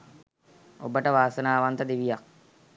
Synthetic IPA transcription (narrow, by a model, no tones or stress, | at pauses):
obəʈəʋaːsənaːʋant̪əd̪iʋijak̚